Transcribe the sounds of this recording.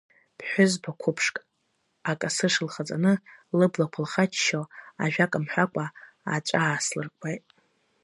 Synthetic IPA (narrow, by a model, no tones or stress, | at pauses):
pʰħʷᶣʊzbʰakʷʰʊpʰʂkʼ | akʼasɨʂɨlχat͡sʼa̰nɨlɨblakʷʰʊlχat͡ʃʰʃoaʒᶣakʼamħʷᶣakʷʼa | at͡ʃʷʼaːslɨrkʷʰʼajtʼ